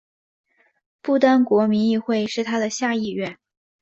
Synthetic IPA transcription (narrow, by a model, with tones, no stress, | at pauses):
pu˥˩t̪a˥nkwɔ˧˥mi˧˥ni˥˧xwe˥˧ɪʂɻ̩˥˩t̪ʰa˥d̪ə˨ɕja˥˧i˥˧ɥɛ˥˩n